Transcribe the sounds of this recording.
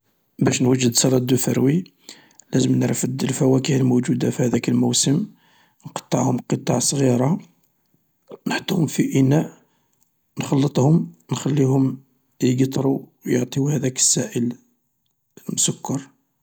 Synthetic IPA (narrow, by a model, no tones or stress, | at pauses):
bæʃnwəʒːəd̪sˤɑlɑd̪ːufəɾwi | læzəmnɾəfəd̪ːəlfæwækəhəlmud͡ʒud̪afihæd̪ækəlmuwsəm | nqɑ̥t̪ˤːɑʕhʊmlqət̪ˤɑʕsˤɣiɾɑ | nəħt̪ˤːuhʊmfiʔinæʔ | nxɑlːət̪ˤhʊmnxælːihʊm | jɡt̪ˤɾujəʕt̪ˤihæd̪ækə̥sːæʔəl | əlmʊsʊkːɑɾˤ